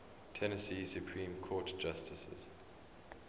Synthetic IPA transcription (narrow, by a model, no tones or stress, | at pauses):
tʰɛnəsiːsjupʰɹĩːmkʰɔːtd͡ʒ̥astɪsə̰z̥